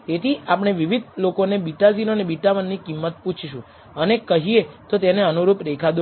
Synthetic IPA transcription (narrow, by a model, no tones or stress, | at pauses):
t̪et̪ʰiapɳ̃eʋiʋid̪̚ʱlokonebiʈad͡ʒinonebiʈamənːikimːət̪̚put͡ʃʰʃũ | ənekəɦijet̪ot̪eneənuɾupɾekʰad̪o